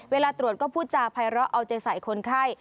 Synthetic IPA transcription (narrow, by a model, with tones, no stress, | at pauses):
weː˧laː˧t̪ɾu˨˩ət̪̚kɔː˥˩pʰuː˥˩t̪̚t͡ɕaː˧pʰa˧jɾɔ˦˥ʔa˧wt͡ɕa˧jsa˨˩˦jkʰo˧nkʰaː˥˩j